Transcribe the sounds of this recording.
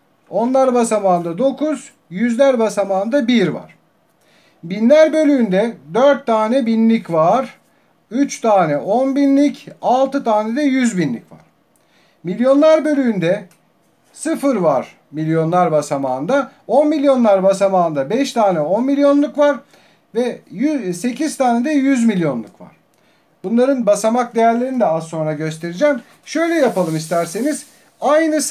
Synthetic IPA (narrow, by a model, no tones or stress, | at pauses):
o̞nlˠaɾbasamaːnd̪ad̪o̞kʰuz̥ | jyzlʲæɾbasamaːnd̪abiɾva̰ɾ̥ | binlʲæɾbø̞lʲyːnd̪ɛd̪ø̞ɾt̪ʰːaːnɛbinlʲicvaɾ̥ | yt͡ʃt̪ʰaːnɛʔo̞nbinlʲicalˠt̪ʰɯt̪ʰaːnɛd̪ɛjyzbinlʲḭcva̰ɾ̥ | milʲjo̞nlˠaɾbø̞lʲyynd̪ɛ | sɯfɯɾvaɾ̥ | milʲjo̞nlˠaɾbasamaːnd̪a | o̞nmilʲjo̞nlˠaɾbasamaːnd̪abɛʃt̪ʰaːnɛo̞nmilʲjo̞nlˠukvaɾ | vɛjse̞cʰiz̥t̪ʰaːned̪ɛjyzmilʲjo̞nlˠukva̰ɾ̥ | b̥unlˠaɾɯnbasamak̚d̪e̞jæɾlʲe̞ɾinid̪ɛasːo̞nɾaɟø̞st̪ʰe̞ɾid͡ʒæːm | ʃø̞jlʲɛjapalˠɯmist̪ʰæɾseniz̥ | ajnɯ